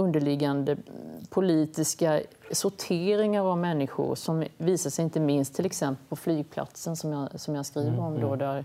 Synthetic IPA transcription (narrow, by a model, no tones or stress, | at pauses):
ɵnd̪əɭɪɡand̪əpʰʊliːt̪ɪska | sʊʈʰeːɾɪŋaɾavmɛnːɪɧʊ̰ɾʂɔmviːsaʂɛjɪnt̪əmɪnst̪ʰːɪlɛksɛmpəlpʰɔflyːɡ̚pʰla̰t̪sənsɔmjasɔmjɑskɾiːvəɾɔmd̪ɔd̪æɾ